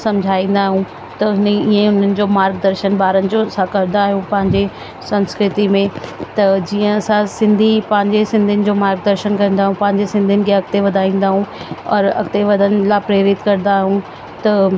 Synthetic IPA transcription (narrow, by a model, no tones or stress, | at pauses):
sɐ̃md͡ʑʱaːĩːn̆d̪aːɦũ | t̪ɐɪniːẽʊn̤ənɪ̆d͡ʑoːmaːɾɡ̚d̪ɐɾʃənbaːɾənɪ̆d͡ʑosãkɐɾnd̪aːɦijũpɐ̃ɦɪ̃ɲd͡ʑe | sɐ̃nskɾɪt̪imẽt̪ɐd͡ʑiːə̃ɐsãsɪ̃nd̪ʱipɐ̃ɦɪ̃ɲd͡ʑesɪ̃nd̪ʱiənɪ̆d͡ʑoːmaːɾɡ̚d̪ɐɾʃənkɐɾĩnd̪aːɦũpɐ̃ɦɪ̃ɲd͡ʑesɪ̃nd̪ʱiənɪ̆kʰeɐkt̪eʋɐd̪ʱaːĩːn̆d̪aːɦũɔ̰ːɾɐ̰kt̪eʋɐd̪ʱənɪ̆laːpɾeːɾɪt̪kɐɾ̃nd̪aːɦiũ | t̪ɐ